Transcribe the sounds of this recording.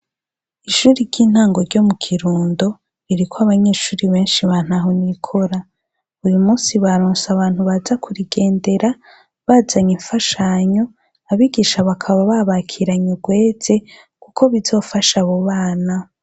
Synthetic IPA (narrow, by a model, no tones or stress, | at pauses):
iʃuːɾiɾɟiːn̥haːŋɡo̞ɾɟo̞mukʰiɾuːndo̞ | iɾikʰoaβaɲe̞ːʃuːɾiβe̞ːnʃiβan̥haɦonikʰo̞ɾa | ujumuːnsiβaɾoːnsaβaːn̥huβazakʰuɾiɡe̞ːnde̞ɾa | βaːzaɲiɱfaʃaɲo̞ | aβiɡiʃaβakʰaβaβaβakʰiɾaɲuɡwe̞ːze̞ | kukʰo̞βizo̞ːfaʃaβoβaːna